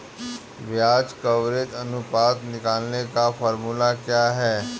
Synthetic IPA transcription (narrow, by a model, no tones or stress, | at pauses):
ʋjaːd͡ʒkɐʋɾɪt̪ɐnʊpaːt̪nɪkaːlnekafɔːɾmulakjaːɦɛː